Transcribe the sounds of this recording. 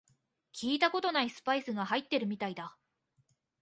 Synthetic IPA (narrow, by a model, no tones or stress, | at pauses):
kʲiːt̪ako̞t̪o̞naisɨ̥paisɨɡahait̪ːe̞ɾɯ̟mʲit̪aid̪a